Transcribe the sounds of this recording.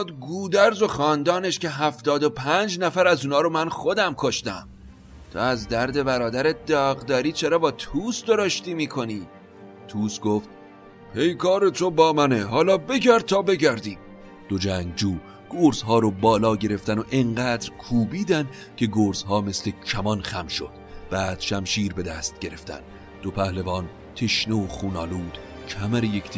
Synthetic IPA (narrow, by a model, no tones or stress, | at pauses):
ɒːd̪ɡuːd̪æɾzo̞xɒːnd̪ɒːneʃce̞ɦæft̪ɒːd̪o̞pʰænd͡ʒnæfæɾæzuːnɒːɾomænχod̪æmkʰo̞ʃt̪æ̰m | t̪ʰo̰æzd̪æɾd̪e̞bæɾɒːd̪æɾed̪ɒːɣd̪ɒːɾiːt͡ʃʰeɾɒːbɒːt̪ʰuːsd̪o̞ɾoʃt̪iːmiːkʰo̞niː | t̪ʰuːsɡoːft̪̚ | pʰe̞jkʰɒːɾe̞t̪ʰobɒːmæneɦɒːlɒːbe̞ɟæɾd̪̚t̪ʰɒːbe̞ɟæɾd̪iːm | d̪̥od͡ʒæːŋɡd͡ʒuː | ɡ̥oːɾzɦɒːɾobɒːlɒːɟe̞ɾe̞ft̪ænoʔeŋɢæːd̪ɾkʰuːbiːd̪æn | kʰe̞ɡoːɾzhɒːme̞sle̞cʰæmɒːnxæmʃo̰d̪̥b̥æːd̪̥ʃæmʃiːɾbe̞d̪æst̪̚ɟe̞ɾe̞ft̪æ̰n | d̪̥opʰæhlevɒːn | t̪ʰeʃneoχuːnɒːluːd̪̥ | cʰæmæɾejekʰt̪i